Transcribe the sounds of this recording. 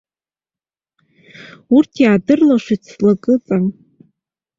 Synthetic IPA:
urtʰjaːdɨrlaʃʷit͡sʰlakʼɨt͡sʼan

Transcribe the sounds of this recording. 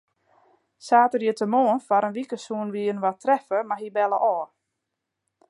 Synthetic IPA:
saːtərjətəmoːənfaɾənʋikəsuənʋiːən̩ʋatrɛfəmaɦibɛləʔɔː

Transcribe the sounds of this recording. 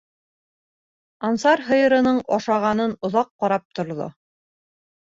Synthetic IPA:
ɑnsɑɾɦɤ̆jɤ̆ɾɤ̆nɤɴɒʃɑʁɑnɤnŏðɑqːɑɾɑp̚t̪ŏɾðo̰

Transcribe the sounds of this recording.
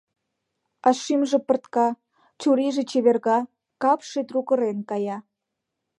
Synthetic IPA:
ɑʃimʒĕpə̆rt̪kɑ | t͡ɕuɾiʒĕt͡ɕeβerɣɑ | kɑpʃet̪rukə̆ɾenkɑjɑ

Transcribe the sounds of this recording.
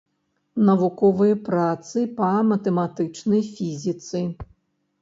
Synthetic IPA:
nɐvukɔvɨjɐpɾat̪sɨpɐmɐt̪ɛmat̪ɨt͡ʂnɐjfʲizʲit̪sɨ

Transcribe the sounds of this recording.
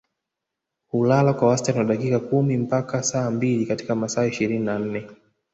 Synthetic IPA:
hulalakwawastanwaɗakikakumim̩pakasaːmbilikati̥kamasaːiʃiɾininan̩nɛ

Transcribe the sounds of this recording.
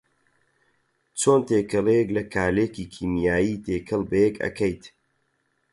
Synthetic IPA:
t͡ʃʰoːnt̪eːkʰɨleklɐkʰaːleːkikʰiːmijaːjiːt̪ʰeːkʰɨlbɐjekɐ̰kʰɐjt̪

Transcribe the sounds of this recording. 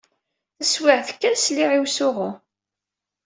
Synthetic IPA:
θəswɪʕθə̥kːæsliʕiwsʊʁʊ

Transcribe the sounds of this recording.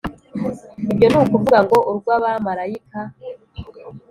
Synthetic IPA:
ibjo̞nuːkuvuɡaŋɡo̞ʔuɾɡwaβamaɾaikʰa

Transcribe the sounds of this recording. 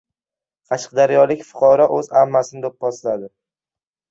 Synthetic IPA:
qʰɑʃɨ̥qd̪aɾjɒlɪkʲfʊ̥qʰɒɾɒʔɵzamːasɪnɪd̪op̚ʰbɒslad̪ɪ

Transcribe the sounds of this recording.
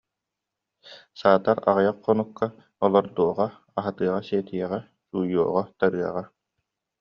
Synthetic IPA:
saːt̪aɾa̰ʁajaqqːɔnukːa | ɔlˠɔɾd̪uɔʁa | aɦat̪ɯːʁaseːt̪iɛʁɛ | suːjuɔʁɔt̪aɾɯɐʁa

